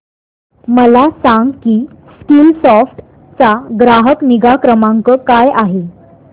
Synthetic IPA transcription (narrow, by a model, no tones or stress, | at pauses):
məlasãŋɡkiː | skiːlsɔfʈ | t͡saɡɾaɦəkniɡakɾəmãŋkəkajaɦe